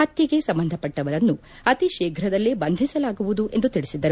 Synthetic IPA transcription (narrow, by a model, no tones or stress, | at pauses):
hɐt̪jɐɡe̞sɐmbɐnd̪ʱɐpːɐʈːɐʋɐɾɐnːu | ɐt̪iʃeːɡʱɾɐd̪ɐlːibɐnd̪ʱisɐlaːɡuʋud̪uʔe̞nd̪ut̪iɭisid̪ːɐɾu